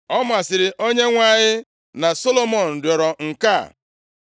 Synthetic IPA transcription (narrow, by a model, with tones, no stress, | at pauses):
ɔ˦m˦a˨sɪ˨ɾɪ˨ʔo˦ɲe˦ŋʷa˦˨ɲɪ˦ | na˨so˦lo˦mɔ˦˨n̩˨dɔ˨ɾɔ˨ŋ̩˨ka̰˦˨